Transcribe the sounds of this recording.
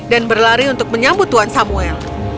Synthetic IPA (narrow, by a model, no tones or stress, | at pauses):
danbərlaɾiunt̪ʊk̚məɲambʊt̪ːuɦansamuɛl